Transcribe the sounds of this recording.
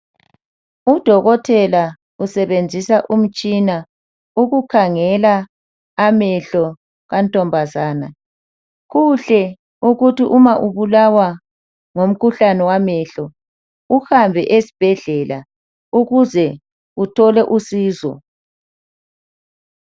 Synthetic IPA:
ud̥ʱɔɣɔtʰɛla | usɛβend͡zʱisaʔum̩t͡ʃʼina | uɣukʰaŋɛlaː | mɛɬɔ | ɣantʼɔmbʱazaːna | ɣuɬɛ | uɣutiʔumaʔuβulawa | ŋom̩kʰuɬanɛwamɛɬɔ | uhambʱɛʔesi̥b̥ʱɛɮɛla | uɣuzɛ | utʰɔlɛʔusiːzɔ̰

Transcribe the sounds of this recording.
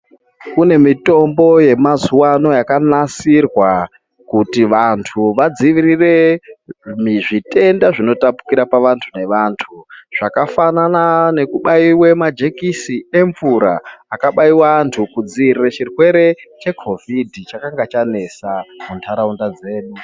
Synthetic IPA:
kune̞mito̞mbo̞je̞mazuwano̞jakanasirwa | kutiʋantʰuʋad͡ziʋirire̞ | miʐite̞ndaʐino̞tapu̥kiɾapaʋantʰune̞ʋaːntʰuʐ̥akafananane̞kuɓaiwemad͡ʒe̞kisie̞ɱvuɾa̰ːkaɓaiwaːntʰukud͡ziʋiriret͡ʃirwe̞ɾe̞t͡ʃe̞kʰo̞vʱidʱit͡ʃakaŋɡat͡ʃane̞samuntʰaɾaundad͡ze̞ːɗu

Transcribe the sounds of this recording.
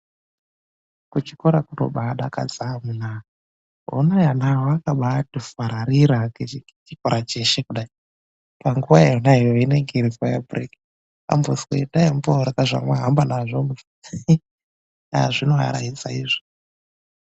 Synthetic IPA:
kut͡ʃikoɾakuɾo̰ɓaɗaka̰d͡zamuna | ɦo̰najanaɦoakaɓatifaɾaɾiɾake | t͡ʃikoɾat͡ʃeʃekuɗai | paŋɡuwaeonaijoineŋɡeɾifajabriki | a̰mboskḛidaimboɾakaʐa̰mwaɦambanaʐom | a̰ʐinoɦa̰ɾa̰isa̰ḭːʐo̥

